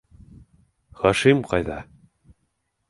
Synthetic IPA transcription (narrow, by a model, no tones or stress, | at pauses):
χɑʃimqɑjðɑ